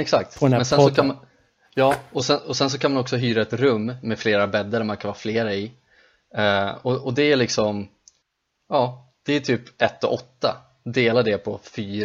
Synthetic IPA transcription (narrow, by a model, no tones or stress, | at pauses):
ɛksak̚t̪ʰmɛnsɛnsɔkʰam | jɑːɔsɛnɔsɛns̬ɔkʰanmanɔksɔɦyːɾaɛt̪ɾɵmːɛfleːɾabɛd̪ːəɾmankʰanvhɑːfleːɾaɪ | ɔɔd̪ɛæɭɪksɔm | ɑː | d̪̥ɛːʈ̪ʰyːpɛt̪ːɔ̰ʔɔt̪ːa̰ | d̪eːlad̪ɛpʰɔfyːɾ